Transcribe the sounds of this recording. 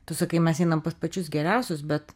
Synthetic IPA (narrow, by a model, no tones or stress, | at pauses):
t̪ʊsɐkɐɪmʲɛsɛɪnɐmpɐspɐt͡ʃʲʊsɡʲɛɾʲɛʊsʲʊsbʲɛt̪